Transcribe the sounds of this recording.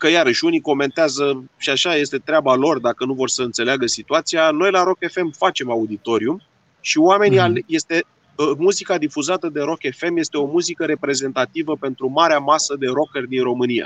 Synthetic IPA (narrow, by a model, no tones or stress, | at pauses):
kəjaɾəʃuniko̞me̞nt̪eazəʃiaʃaje̞st̪e̞t̪ɾeabalo̞rd̪akənuvo̞rsəɨnt̪se̞leaɡəsit̪uat̪sijano̞jlaɾo̞ke̞fe̞mfat͡ʃe̞maud̪it̪o̞ɾium | ʃioame̞nialje̞st̪e̞ | muzikad̪ifuzat̪əd̪e̞ɾo̞ke̞fe̞mje̞st̪eo̞muzikəɾe̞pɾe̞ze̞nt̪at̪ivəpe̞nt̪ɾumaɾeamasəd̪e̞ɾo̞kerd̪inro̞mɨnija̰